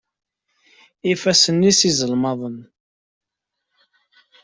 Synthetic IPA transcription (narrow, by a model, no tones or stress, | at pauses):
ifæsənːisizəlmɑðˤən